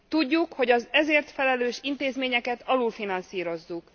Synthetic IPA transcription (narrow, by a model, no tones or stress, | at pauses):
t̪uɟːukho̞ɟɒzɛzeːrt̪fɛlɛløːʃint̪eːzmeːɲɛkɛt̪ɒlulfinɒnsiːɾo̞zːuk